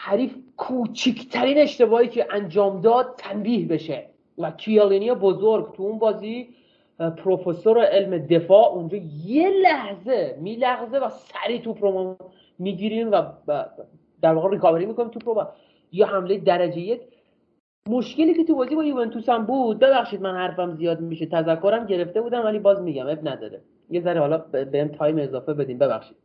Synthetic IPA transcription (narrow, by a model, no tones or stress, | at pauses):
hæɾiːfkʰuːt͡ʃʰicʰt̪ʰæɾiːne̞ʃt̪e̞bɒːʔiːcʰeʔænd͡ʒɒːmd̪ɒːd̪̚t̪ʰːæmbiːhbe̞ʃe | vækʰijɑlinijebozoɾɡt̪ʰuunbɒːzi | pʰɾo̞fesoɾeʔelmed̪e̞fɒːʔund͡ʒɒːjelæhze̞miːlæɣzevæsæɾiːt̪ʰupʰɾomɑ | miːɟiːɾimvæ | d̪æɾvɒːɣerikʰɒːbeɾiːmiːko̞nimt̪upɾovæ | jɒɦæmlejed̪æɾæd͡ʒejjecʰ | mo̞ʃke̞liːcʰe̞t̪ubɒːziːbɒjuvent̪ʰusæmbuːd̪̚be̞bæxʃiːd̪mænhæɾfæmzijɒːd̪miʃet̪ʰæzækʰːo̞ɾæmɟe̞ɾe̞ft̪e̞buːd̪æmvælibɒːzmiɟæmebnæd̪ɒ̰ɾe | jezæɾehɒːlɒbehemt̪ʰɒːjmezɒːfe̞be̞d̪iːmbe̞bæ̰xʃiːd̥̪